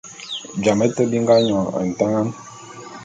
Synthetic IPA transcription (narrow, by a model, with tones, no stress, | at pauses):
d͡ʒa˨mɛ˦tə˦bi˦ŋ˦ɡa˦ɲɔ˨a̰˨n̩˨ta˦ŋa˦n